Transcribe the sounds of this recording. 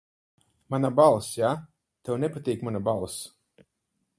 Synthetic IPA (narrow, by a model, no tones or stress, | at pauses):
manabalˠsja | t̪ɛwnɛpat̪ʲiːkmanabalˠs